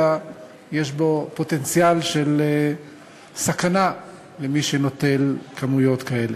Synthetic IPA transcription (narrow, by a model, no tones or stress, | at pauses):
a | jeʃ̬bo̞po̞t̪e̞nt͡sjalʃe̞l | sakana | lemiʃeno̞t̪e̞lkʰamujo̞t̪kae̞le